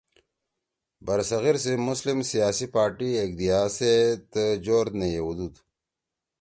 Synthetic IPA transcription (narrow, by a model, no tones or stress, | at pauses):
bɐɾsɐɣiɾsemʊslimsijaːsipaːɾʈieɡd̪ijaːset̪əd͡ʑoɾnejewud̪ud̪